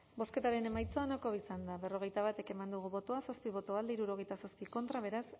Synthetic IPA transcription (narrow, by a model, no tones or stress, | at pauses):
bo̞ske̞t̪aɾe̞ne̞majt͡soonakoisand̪aβe̞ro̞ɣ̞e̞jt̪aβ̞at̪e̞ke̞mand̪uɣ̞uβo̞t̪oasospiβ̞o̞t̪oald̪eiɾuɾo̞ɣe̞jt̪asospiko̞nt̪ɾaβ̞e̞ɾas